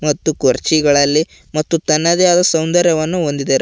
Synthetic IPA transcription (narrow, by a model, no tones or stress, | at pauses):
mɐt̪ːukoɾt͡ʃiɡɐɭɐlːi | mɐt̪ːut̪ɐnːɐd̪ɐjaːd̪ɐsɐwnd̪ɐɾjɐʋɐnːuond̪id̪eɾ